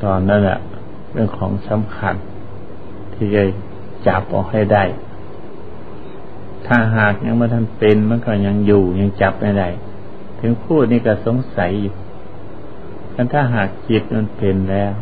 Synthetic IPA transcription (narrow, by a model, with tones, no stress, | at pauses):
t̪ɔː˨nːa˧˥˨nla̰˧˩ | pe˧˨nkʰɔː˨˦ŋsa˧˦mkʰa˧˩n | t̪ʰiː˧˩ka˧˩j | t͡ɕa˨˧˦p̚ʔa̰˨˩wha˧˩jda˧˩j | t̪ʰaː˧˩ɦaː˨˩k̚ɲa˧˥ŋbaː˧˥˨t̪ʰa˥˨npe˨nma˧˥˨nkɔ˧˩ɲa˧˥˨ŋjuː˧˩ɲa˧˥˨ŋt͡ɕa˧˦p̚ha˧˩jda˧˩˨j | t̪ʰɯ˨˦ŋpʰuː˧˩t̪̚niː˧˨ka˧˩so˨˦ŋsa˨˦ju˧ | kʰa˧˥˨nt̪ʰaː˧˩ɦaː˨˩k̚ːi˧˥t̪̚ma˧˥˨npe˨nlɛː˧˥˩w